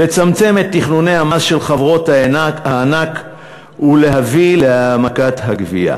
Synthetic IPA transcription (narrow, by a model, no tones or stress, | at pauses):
le̞t͡samt͡se̞met̪ːiχnune̞jhamazʃe̞lχavʁo̞thaahaːnak | hule̞ɦavileamakatɦaɡvḭa̰